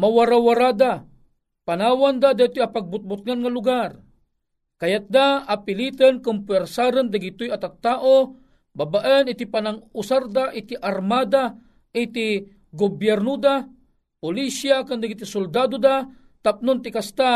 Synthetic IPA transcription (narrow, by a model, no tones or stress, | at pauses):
mawaɾawaɾad̪a | panaːwand̪ad̪at̪japaɡ̚bʊt̪̚bʊt̪̚ŋanŋalʊɡar | kajat̪̚d̪aapɪlit̪ənkʊmpwɛɾsaɾənd̪aɡit̪ʊjat̪at̪ːaːʔo | babaʔənɪt̪ipanaŋʊsaɾd̪aʔit̪iʔaɾmad̪a | ʔit̪i | ɡʊbjɛrnod̪a | pʊlisjakand̪aɡit̪isʊld̪ad̪od̪a | t̪ap̚nʊnt̪ɪkast̪a